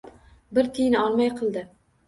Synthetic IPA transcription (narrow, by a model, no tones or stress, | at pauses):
bɪɾt̪ʰɪjnɒlˠmajqʰɨlˠd̪ɪ